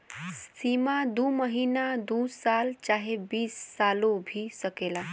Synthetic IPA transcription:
siːmad̪uːməɦiːnad̪uːsaːlt͡ʃaːɦebiːsːaːlõbʱisəkeːlaː

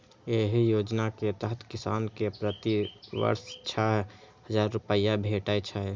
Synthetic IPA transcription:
eɦijoːd͡ʒnaket̪əɦt̪ʰkɪsaːnkepɾət̪iʋə̰ɾst͡ʃʰa | həd͡ʒaːɾːupəjabʱeʈajt͡ʃʰa

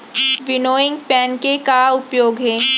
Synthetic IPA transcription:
ʋɪnoːɪ̃ŋɡpɛːnkekaʊpjoːɡɦɛː

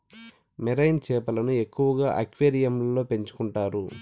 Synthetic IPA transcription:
miɾɐjnt͡ʃɛːpɐlɐnue̞kːuʋɐɡaːʔɐkʋeːɾijɐmllo̞ːpe̞ɲt͡ʃu̥kuɳʈaːɾu

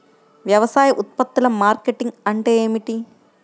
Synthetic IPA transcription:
ʋjɐʋɐsaːjɐʔut̪̚pɐt̪ːulɐmːaːɾkeʈiŋɡɐɳʈeːeːmiʈi

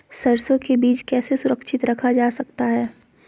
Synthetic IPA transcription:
sɐɾsõkebiːt͡ʃkɛːsesʊɾəkʃɪt̪ɾɐkʰad͡ʒaːsɐkt̪aɦɛː

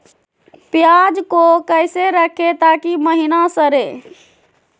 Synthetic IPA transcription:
pjaːd͡ʒkokəɪseɾəkʰet̪aːkiməɦinasəɾeː

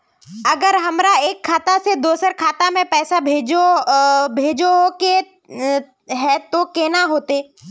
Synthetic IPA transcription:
ɐɡəɾɦɐmɾaeːkʰːaːt̪ased̪oːsəɾkʰaːt̪amẽpɛːsabʱeːd͡ʒobʱeːd͡ʒoɦoke | ɦɛ̃t̪okeːnaɦoːt̪eː

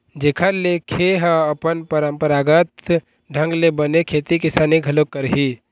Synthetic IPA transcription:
d͡ʒekʰəɾlekʰeɦaəpənpəɾəmpəɾaːɡət̪ | ɖʱə̃ŋɡlebənekʰet̪ikɪsaːniɡʱəlokːəɾɦi

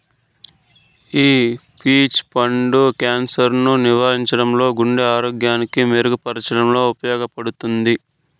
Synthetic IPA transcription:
iː | piːt͡ʃpɐɳɖukaːnsɐɾnuniʋaːɾiɲt͡ʃɐɽɐmlo̞ːɡuɳɖeaːɾoːɡjaːnikimeɾuɡupɐɾɐt͡ʃɐɽɐmlo̞ːupɐjɔːɡɐpɐɽut̪und̪i

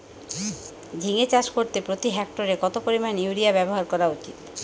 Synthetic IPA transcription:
d͡ʑʱiŋet͡ɕaʃkoɾt̪epɾot̪iɦɛk̚ʈoɾekɔt̪opoɾimanjuɾiabɛboɦaɾkɔɾaut͡ɕit̪

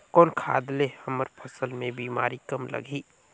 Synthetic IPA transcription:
kɔːnkʰa̰ːd̪lehəməɾpʰəsəlmẽbiːma̰ːɾikəmlə̰ɡʱiː

